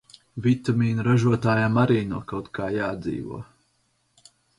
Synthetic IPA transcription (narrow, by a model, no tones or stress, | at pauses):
vit̪amiːnuɾaʒuɔt̪aːjamaɾiːnuɔkawt̪kaːjaːd̪zḭːvṵɔ